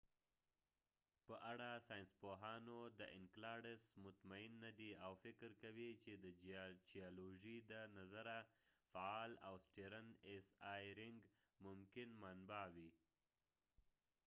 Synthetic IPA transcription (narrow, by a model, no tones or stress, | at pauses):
pəʔaɽasɑjɪnspoɦɑnod̪əʔɪnklɑɽɪsmʊt̪maɪnːad̪iawfɪkɾkawit͡ʃed̪əd͡ʒijaloʒid̪ənazaɾafaɑla̰wsʈeɾanesɑjɾɪŋɡ | mʊmkɪnmanbɑwi